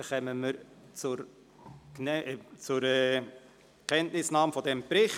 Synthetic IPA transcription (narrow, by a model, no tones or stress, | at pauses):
χɛməməɾ | t͡sʊɾ | knɛt͡sʊɾɛ | kʰɛntnɪsnɑːmfɔdɛmpɾɪχ